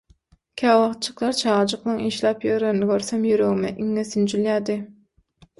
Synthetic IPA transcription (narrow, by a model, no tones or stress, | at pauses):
kʲʰæːwɑχt̪̚t͡ʃʰɯqlˠɑɾt͡ʃʰɑːʁd͡ʒɨqnɯŋiːʃlˠɑːpjøɾeɾnɪɡʲøɾsɑmjyɾøɣmɛʔiŋːesynd͡ʒyljɑːd̪ɪ